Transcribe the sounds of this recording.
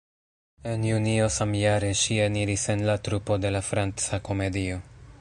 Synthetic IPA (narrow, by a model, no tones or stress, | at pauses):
e̞njunio̞samjaɾe̞ʃieniɾise̞nlatɾupo̞de̞lafɾant͡sako̞me̞dio̞